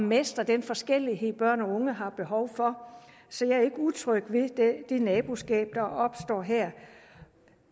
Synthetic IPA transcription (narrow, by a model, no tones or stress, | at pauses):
mesd̥ɐd̥enfɒ̽sɡ̥el̰iɦe̝ð̰ˠb̥ɶɐ̰nɒ̽ɔ̽ŋəɦɑ̈b̥e̝ɦɒʊfɒ̽ | sɒ̽jɑ̈æɐe̝ɡ̥əut͡sʰʁœɡ̥ʋe̝d̥d̥e̝nɛːb̥usɡ̥ɛ̰ːb̥̚d̥ɑ̈ɒ̽b̥sd̥ɒ̰ːɦɛɐ̰